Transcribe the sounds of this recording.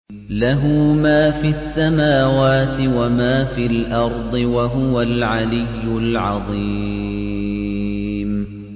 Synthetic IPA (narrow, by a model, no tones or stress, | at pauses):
laɦumaːfiasːamaːwaːt̪ɪwamaːfiːlʔɑɾˤd̪ˤɨwaɦʊwalʕalɪjːʊlʕɑðˤi | m